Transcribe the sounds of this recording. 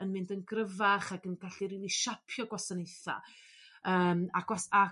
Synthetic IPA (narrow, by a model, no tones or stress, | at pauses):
ənmɪndənɡrəvaχaɡənɡ̥aɬiɾiːlˠiʃapʰjɔɡwasanejθa̰ | əːmaɡ̥wasa